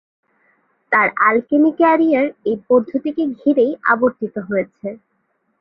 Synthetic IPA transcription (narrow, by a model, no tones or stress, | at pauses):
t̪aɾalkenikɛɾijaɾejpoɾd̪ʱot̪ikeɡʱiɾeja̰boɾt̪it̪oɦojet͡ɕʰe